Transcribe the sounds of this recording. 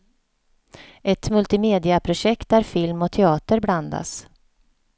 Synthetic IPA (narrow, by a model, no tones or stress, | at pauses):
ʔɛt̪mɵlt̪ɪmeːd̪ɪapʰɾʊɕɛk̚t̪̚d̪æɾfɪlmɔt̪ʰɛɑːt̪əɾbland̪a̰s